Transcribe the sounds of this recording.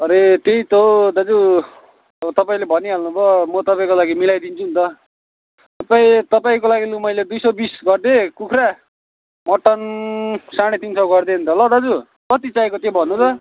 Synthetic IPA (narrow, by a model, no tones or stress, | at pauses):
ʌɾet̪eit̪od̪ʌd͡zu | ʌʌt̪ʌpaĩlebʱʌniɦalnubʌmʌt̪ʌpaĩkolaɡimilajd̪int͡sʰunt̪ʌ | t̪ʌpaĩt̪ʌpaĩkolaɡilumʌjled̪ujsʌbisɡʌrd̪ekukʰɾa | mʌʈʌnsaɽ̃et̪insʌwɡʌrd̪ent̪ʰʌlʌd̪ʌd͡zu | kʌt̪it͡sajkot̪ebʱʌnːut̪ʰʌ